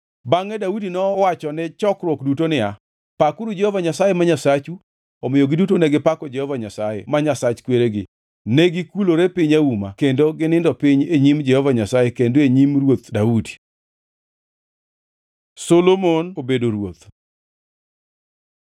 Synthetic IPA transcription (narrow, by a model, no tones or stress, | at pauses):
baŋɛdaudinɔwat͡ʃɔnɛt͡ʃɔkɾwɔkdutonɪa | pakʊɾud͡ʒɛhɔvaɲasajɛmaɲasat͡ʃu | omɪjoɡɪdutonɛɡɪpakɔd͡ʒɛhɔvaɲasajɛ̰maɲasat͡ʃkweɾeɡɪ | nɛɡɪkuloɾepɪɲauma̰kendoɡɪnɪndɔpɪɲeɲimd͡ʒɛhɔvaɲasajekendoeɲimrwot̪daudi | solomonobedoɾwot̪